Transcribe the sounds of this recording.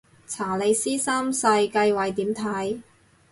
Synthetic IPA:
t͡sʰaː˨˩le˨˧jsiː˥sɐː˥msɐ˧jkɐ˧jwɐ˨˩jt̪iː˨˥mt̪ʰɐ˨˥j

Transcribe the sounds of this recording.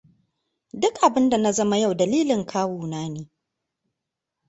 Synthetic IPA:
dʊ˦kʔa˨bɪ˦nda˨na˦zɐ˦ma˦ja˦˨wdɐ˨liː˦lɪ˨ŋkʰaː˦wuː˨naː˦neː˨

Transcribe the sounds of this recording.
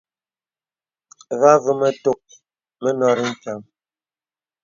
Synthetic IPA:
va˦və˦mə˦to˦k̚ | mə˦nɔ˦ɾi˦m̩˦˨pja˨ŋ

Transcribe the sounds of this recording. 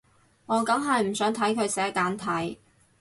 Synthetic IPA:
ŋɔː˨˧kɐ˨˥ŋɦɐ˨jm̩˨˩sœː˨˥ŋt̪ʰɐ˨˥jkʰɵ˨˧ɥsɛː˨˥kaː˨˥nt̪ʰɐ˨˥j

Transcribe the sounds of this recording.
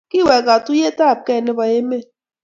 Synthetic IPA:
ki˦˨wɛ˨ka˨tu˦je˦ta˦˨b̚kɛ˦˨nɪ˦ba˨je˦me˦

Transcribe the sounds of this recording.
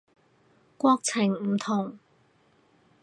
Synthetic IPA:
kwɔː˧˥k̚t͡sʰɪ˨˩ŋm̩˨˩t̪ʰʊ˨˩ŋ

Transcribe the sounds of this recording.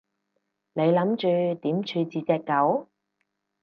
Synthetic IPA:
le˨˧jlɐ˨˥mt͡ʃyː˧t̪iː˨˥mt͡ʃʰyː˧t͡siː˨˧t͡sɛː˧kːɐ˨˥w

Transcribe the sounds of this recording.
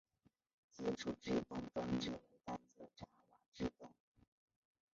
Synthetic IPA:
t͡ɕɛ˥ʈ͡ʂʰu˨˩ʈ͡ʂɻ̩˥˧t̪ʊ˥˩ŋfɑ˥ŋʈ͡ʂjo˥˩we˧˥ɪt̪a˥˩nt͡sɤ˧˩ʈ͡ʂa˧˥wa˨˩˦ʈ͡ʂɻ̩˥˩t̪ʊ˥˩ŋ

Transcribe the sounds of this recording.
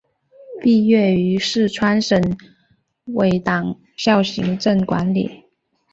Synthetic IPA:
pi˥˧ɥɛ˥˩y˧˥ʂɻ̩˥˩ʈ͡ʂʰwa˥nʂə˧˥n | we˧˥ɪt̪ɑ˨˩ŋ | ɕjɑ˥˩ʊɕḭ˧˥ŋʈ͡ʂə˥˩ŋkwa̰˧˥nlḭ˨˩˦

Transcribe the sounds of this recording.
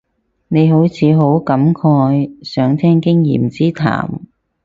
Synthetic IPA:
ne˨˧jɦo˨˥wt͡sʰiː˨˧ɦo˨˥wkɐ˨˥mkʰɔː˧jsœː˨˧˥ŋt̪ʰɛː˥ŋkɪ˥ŋjḭː˨˩mt͡siː˥t̪ʰa̰ː˨˩m

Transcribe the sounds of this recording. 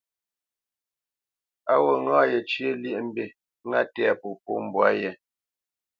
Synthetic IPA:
a˦wo˨ŋa˦jɛ˨t͡ʃje˦lje˦ʔm̩˦be˦˨˦ | ŋa˦tɛ˦˨a˨po˨po̰˦m̩˨bwa˦jɛ˨

